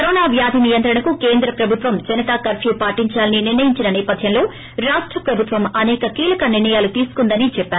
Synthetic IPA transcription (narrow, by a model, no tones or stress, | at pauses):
kɐɾoːnaːʋjaːd̪ʱinijɐnt̪ɾɐɳɐkukeːnd̪ɾɐpɾɐbʱut̪ʋɐmd͡ʒɐnɐt̪aːkɐɾpʰjupaːʈiɲt͡ʃaːlɐniniɾnɐjiɲt͡ʃinɐnɛːpɐd̪ʱjɐmlo̞ː | ɾaːʂʈɾɐpɾɐbʱut̪ʋɐmɐnɛːkɐkiːlɐkɐniɾɳɐjaːlut̪iːsu̥kund̪ɐnit͡ʃɛpːaːɾu